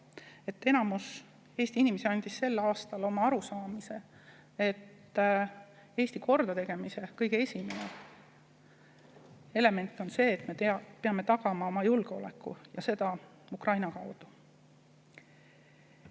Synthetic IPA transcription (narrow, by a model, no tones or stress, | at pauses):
e̞t̪ːe̞nɑmus | e̞ːst̪iinimesiɑnʲd̪̥isːe̞lːɑːst̪ɑlo̞mɑɑɾusɑːmise̞ | e̞t̪ː | e̞ːst̪iko̞rd̪̥ɑt̪e̞ɡ̥e̞mise̞kɤ̞jɡ̥ee̞sʲimene | e̞le̞me̞nt̪ːˑo̞nse̞ːt̪mepe̞ɑme̞t̪ɑɡ̥ɑmɑo̞mɑjulɡ̥eo̞̰le̞̰kːˑṵjɑ̰se̞d̪̥ɑ | ukrɑjnɑkɑwd̪̥u̥